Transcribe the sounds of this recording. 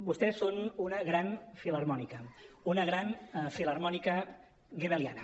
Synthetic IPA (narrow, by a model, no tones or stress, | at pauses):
bust̪ɛsːonunəɣɾanfiləɾmɔnikəunəɣɾanfiləɾmɔnikə | ɣeβelia̰nə